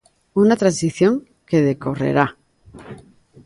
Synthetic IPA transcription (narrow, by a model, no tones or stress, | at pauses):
unat̪ɾansiθjõ̞ŋ | ke̞ð̞eko̞rḛɾa